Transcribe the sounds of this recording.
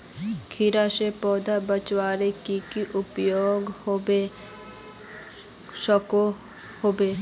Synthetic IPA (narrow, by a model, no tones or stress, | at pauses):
kʰiɾaʃepɔːd̪abət͡ʃwaːɾekikiʔʊpjoːɡobe | ʃɔko | hoːbeː